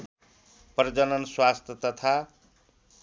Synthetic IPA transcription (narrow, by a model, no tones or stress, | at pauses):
prd͡zʌnʌnswast̪ʰʌt̪ʌt̪ʰa